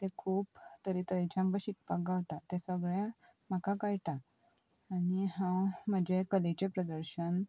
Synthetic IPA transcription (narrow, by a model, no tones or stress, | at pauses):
t̪ekʰuːpt̪əɾit̪əɾit͡ɕãmbəɕik̚pak̚ɡaʋt̪at̪ẽsəɡɭjã | m̤əkakajʈaː | niɦãm̤əd͡ʑekəlit͡ɕepɾəd̪əɾɕən